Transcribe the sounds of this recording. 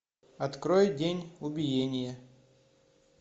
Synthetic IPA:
ɐt̪kɾojdʲenʲʊbʲɪjenʲɪjə

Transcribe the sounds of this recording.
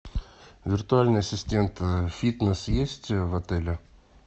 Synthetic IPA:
vʲɪrt̪ʊalʲnɨjɐsʲɪsʲtʲent̪fʲit̪nəsjesʲtʲvɐt̪ɛlʲɪ

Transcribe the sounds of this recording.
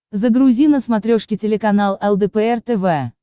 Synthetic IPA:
zəɡɾʊzʲinəsmɐt̪ɾʲoʂkʲɪtʲɪlʲɪkɐnalˠɛlˠd̪ɛpɛɛrt̪ɛvɛ

